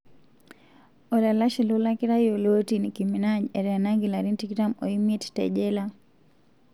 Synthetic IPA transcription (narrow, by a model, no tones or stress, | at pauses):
ɔlalaʃilolakiɾajolotinikiminaɲɛɾɛanaŋɡilaɾintikitamɔimittɛ̰ʄɛla